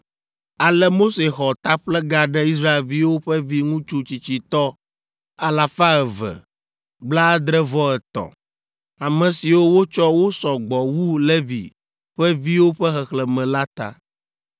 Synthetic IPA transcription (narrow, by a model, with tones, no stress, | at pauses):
a˨lɛ˦mo˦se˨xɔ˨t̪a˦ɸlɛ˦ɡa˨ɖɛ˦i˦s̬ɾa˦e˨lvi˦wo˦ɸɛ˦vi˦ŋũ˦t͡ʃu˦t͡ɕi˨t͡ɕi˨t̪ɔ˦ | a˨la˨fa˦ɛ˨vɛ̰˨ | ɡ͡bla˦d̪ɾɛ˦vɔ˦ɛ˨t̪ɔ̰˨ | a˨mɛ̃˨si˨wo˦wo˦t͡ʃɔ˦wo˦sɔ˨ɡ͡bɔ˨wu˦lɛ˦vḭ˨ | ɸɛ˦vi˦wo˦ɸɛ˦xɛ˨xlɛ˨mɛ̃˨la˦t̪a̰˦